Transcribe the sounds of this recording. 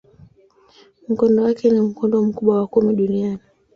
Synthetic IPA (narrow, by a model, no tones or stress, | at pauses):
m̩kɔndɔwakɛnim̩kɔndɔm̩kuɓwawakumiɗuniani